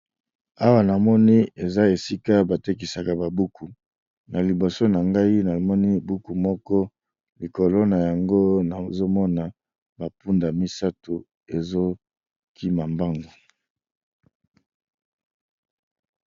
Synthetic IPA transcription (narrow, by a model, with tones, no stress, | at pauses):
a˦wa˦na˨mɔ˦ni˦e˨za˦e˨si˦ka˦ba˨te˦k̬i˨sa˨ka˨ba˨bu˦kʰu˨ | na˨li˨bo˨so˦na˨ŋɡa˦i˦na˨mɔ˦ni˦bu˦ku˨mɔ˦kɔ˦ | li˨ko˨lo˦na˨ja˨ŋɡo˦na˨zo˦mɔ˦na˨ | ba˨pu˦nda˨mi˦sa˦tu˨ | e˨zo˦ | kʰi˦ma˨mba˦ŋɡo˨